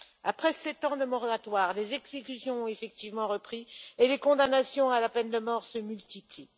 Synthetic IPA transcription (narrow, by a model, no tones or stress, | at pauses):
apχɛsɛt̪ɑ̃d̪əmɔʁat̪waːʁlezɛɡz̥ekʲysjɔ̃ɔ̃efɛk̚t̪ivmɑ̃ʁəpχielekɔ̃d̪anasjɔ̃alapɛnd̪əmɔʁsəmylt̪ipli